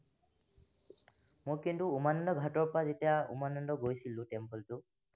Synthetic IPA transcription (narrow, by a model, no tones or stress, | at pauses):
mojkintuːmanɔndɔɡʱatɔɹpɹazetijaṵmanɔndɔɡojsilʊ̃tɛmpɔltʊ